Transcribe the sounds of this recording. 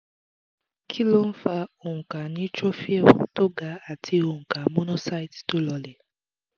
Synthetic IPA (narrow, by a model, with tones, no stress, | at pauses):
kʰi˦lo˦n̩˦fa˦o˨ŋ̩˨ka˨nĩ˦t͡ʃo˦fi˦e˦w̰to˦ɡa˨˦a˨tʰi˧o˨ŋ̩˨ka˨mo˦no˦sa˦jtto˦lɔ˧le˨